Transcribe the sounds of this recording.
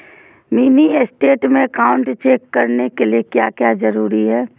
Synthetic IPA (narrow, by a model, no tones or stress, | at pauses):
miːniesʈeːʈmẽkaːʊ̃ɳʈt͡ʃeːkːɐɾnekeliekjaːkjaːzɐɾuːɾiɦɛː